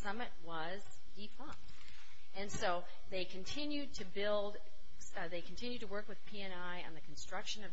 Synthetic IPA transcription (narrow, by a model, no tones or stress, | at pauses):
sʌmɨt̚wʌ | z | difʰʌ̃mt | ɨ̃nsoʊ | ðeɪkʰɨ̃ntʰɪ̃njʉd̚tʰɨbɪlˠd | ðeɪkʰn̩tʰɪ̃njʉd̚tʰɨwɜ˞kwɨð̥pʰiɛ̃naɪɨ̰̃nðɨkʰn̩stɹ̥ʌkʃɨ̃nʌ